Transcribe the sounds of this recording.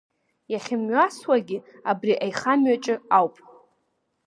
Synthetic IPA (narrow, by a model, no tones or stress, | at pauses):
jaχʲɪmɥaswaɡʲɪ | abriʔajχamɥat͡ʃʼɪawpʼ